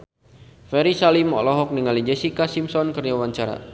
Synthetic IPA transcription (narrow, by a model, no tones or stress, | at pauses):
fɛɾisalimɔ̰lɔɦɔk̚niŋalid͡ʒɛsikasimsɔnkərd͡ʒawaɲt͡ʃaɾa̰